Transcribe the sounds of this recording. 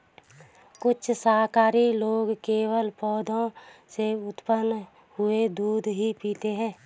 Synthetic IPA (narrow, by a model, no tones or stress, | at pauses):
kʊt͡ʃʰsaːɦkaːɾiloːɡkeːwəlpɔːd̪ʱõseʊt̪pənː | hʊed̪uːd̪ʱɦipiːt̪eɦɛ̃ː